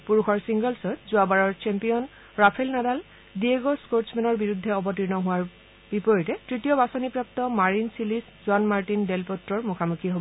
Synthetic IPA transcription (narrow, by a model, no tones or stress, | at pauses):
puɹuxʰɔɹsiŋɡɔlsɔtzʊabaɹɔɹt͡ʃɛmpijɔn | ɹapʰɛlnadal | dieɡoskoɹsmɛnɔɹbiɹud̪ʱːɛɔbɔtiɹnɔɦʊwaɹ | bipɔɹitɛtɹitijɔbasɔnipɹap̚tɔmaɹinsiliszʊanmaɹtindelpɔtɹɔɹmukʰamukʰiɦobɔ